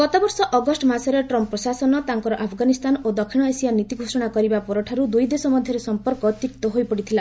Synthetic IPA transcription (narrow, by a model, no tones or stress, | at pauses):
ɡ̥ɔt̪ɔbɔɾsɔʔɔɡɔsʈɔmasɔɾeʈɾɔmpɾɔsasɔnɔt̪aŋkɔɾɔʔapʰɡanist̪anod̪ɔkʰiɽ̃ɔesijanit̪iɡʱosɔɽ̃akɔɾibapɔɾɔʈʰaɾud̪ujd̪esɔmɔd̪ʱjɔɾesɔmpɔɾkɔt̪ikt̪ɔɦojpɔɽit̪ʰila